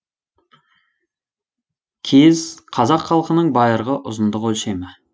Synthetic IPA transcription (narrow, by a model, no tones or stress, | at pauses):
kʲʰezqʰɑzɑqχɑlˠqənəɴbɑjəɾʁəʔʊzənd̪əqolʃejmɪ